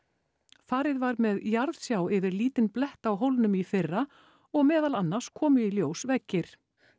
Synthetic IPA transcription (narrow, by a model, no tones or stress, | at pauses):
faːɾɪðvaɾmɛðjaɾðsjawɪvɪɾliːt̪ɪnplɛht̪awɦowlnʏmifɪrːa | ɔɣmɛːðalanːḁskʰɔːmʏiljoːwsvɛcːɪɾ̥